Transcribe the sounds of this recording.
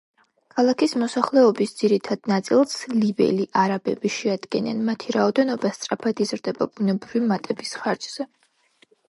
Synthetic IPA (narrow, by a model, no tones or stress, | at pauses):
kʰalˠakʰismɔsaχlɛɔbisd̪ziɾit̪ʰad̪̥nat̪sʼilˠslibɛ̰liʔaɾabɛ̰biʃɛad̪ɡɛna̰nmat̪ʰiɾaɔd̪ɛnɔbast̪sʼɾapʰad̪izɾd̪ɛba̰bunɛbɾivimat̪ʼɛbisχaɾd͡ʒz̥ɛ